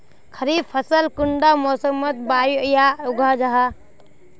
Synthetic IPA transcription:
kʰəɾib̚pʰəsəlkuɳɖamɔsəmət̪̚bajuəjauɡʱad͡ʒaɦa

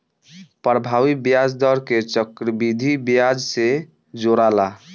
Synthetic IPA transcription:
pɾbʱaʋibjad͡ʒd̪ɔɾket͡ʃəkɾəbid̪ʱibjad͡ʒse | d͡ʒoɾala

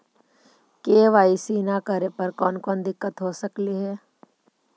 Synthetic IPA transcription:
keːʋaːisiːnakəɾepɐɾkɔːnkɔːnd̪ɪkːət̪ɦoːsəkliɦɛː

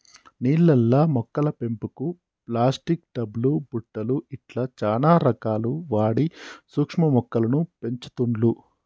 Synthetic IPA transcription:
niːlːɛlːɐmɔkːɐlɐpe̞mpuku | plaːsʈik̚ɖɐblubuʈːɐluiʈlɐt͡ʃaːnaːɾɐkaːluʋaːɽisuːkʂmɐmɔkːɐlɐnupe̞ɲt͡ʃu̥t̪uɳlu

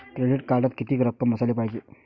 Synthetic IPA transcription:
kɾeɖiʈkaɾɖat̪kit̪iːkɾəkːəmɦəsaliːpajke

